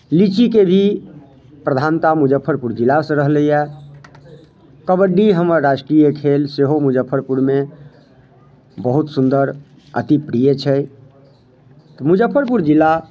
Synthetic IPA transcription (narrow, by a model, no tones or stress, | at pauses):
lit͡ʃikebʱi | pɾəd̪ʱant̪amud͡ʒəpʰːəɾpuɾd͡ʒilːasə̃ɾəɦləjɛ | kəbəɖːiɦəməɾːasʈɾijekʰelseɦomud͡ʒəpʰːəɾpuɾme | bəɦut̪sund̪əɾ | ə̰t̪ipɾijət͡ʃʰɛ | t̪ɔmud͡ʒəpʰːəɾpuɾd͡ʒilːa